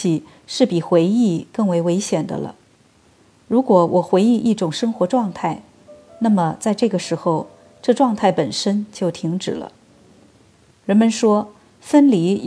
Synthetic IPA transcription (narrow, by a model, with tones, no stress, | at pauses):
i˧˩ | ʂɻ̩˥˩pi˨˩xwe˧˥ɪi˥˧kɤ˥˩ŋwe˧˥ɪwe˧˥ɪɕjɛ˨˩nd̪ə̰˦lə̰˧ | ɻu˧˥kwɔ˧˥wʔɔ˨˩xwe˧˥ɪi˥˧ʔi˥˩ʈ͡ʂʊ˨˩ŋʂɤ˥ŋxwɔ˧˥ʈ͡ʂwɑ˥˧ŋt̪ʰa˥˩ɪ | na˥˩mə˩t͡sa˥˧ɪʈ͡ʂɤ˥˩ɡə˩ʂɻ̩˧˥xo˥˧ʊ | ʈ͡ʂɤ˥˧ʈ͡ʂwɑ˥˧ŋt̪ʰa˥˩ɪpə˨˩nʂə˥nt͡ɕjo˥˩ʊt̪ʰi˧˥ŋʈ͡ʂɻ̩˨˩lə̰˦ | ɻə˧˥nmə˧nʂwɔ˥ | fə˥nli˧˥